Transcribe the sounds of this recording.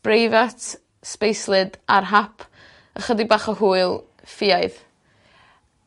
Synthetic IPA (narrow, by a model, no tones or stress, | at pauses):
b̥rejvatʰ | spejslˠɨdarɦapʰ | əχədibaːχəɦuːɨlˠ | fɪaɨð